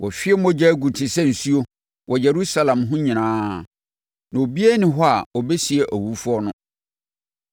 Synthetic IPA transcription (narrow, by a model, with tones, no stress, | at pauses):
wɔ˨fɪ˦ɛ˦m˦ɔ̃˦d͡ʑɛ˦ɡu˨tʰɪ˨sɛ˦n̩˨su˦o˦ | wɔ˨jɛ˨ɾu˦sa˦lã˨mɦʊ̃˦ɲĩ˨nãː˦ | nã˨o˨bi˦ɛ˦nɪ̃˦ɦɔ˦a˨ɔ˨bɛ˦si˨e˨ʔæ˨wu˨˦fu˦ɔ˦nʊ̃˦